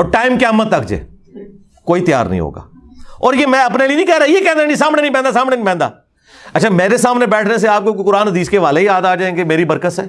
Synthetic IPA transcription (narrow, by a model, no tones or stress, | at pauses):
ɔːɾʈaːɪmkaːmːət̪ːəkd͡ʒḛː | koːit̪ja̰ːɾnə̰ɦḭ̃ɦo̰ːɡa̰ː | ɔːɾjeːmɛ̃ːɐpnelienĩːkɛːɾaːjekɛ̃ːnd̪ãd͡ʒes̬aːmnenĩp̬ɛ̃ːnd̪aːs̬aːmnenĩpɛ̃ːnd̪a̰ː | ɐtːʃʰaːmeːɾes̬aːmnebɛːʈʰnes̬eaːp̚kokokʊɾaːnd̪iːskeʋaːleijaːd̪aːd͡ʒaːẽːɡemeːɾibəɾkət̪ɛː